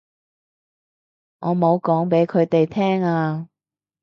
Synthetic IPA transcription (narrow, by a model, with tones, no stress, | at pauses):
ŋʔɔː˨˧mo˨˧wkɔː˨˥ŋpe˨˥jkʰɵ˨˧ɥt̪e˨jt̪ʰɛː˥ŋaː˧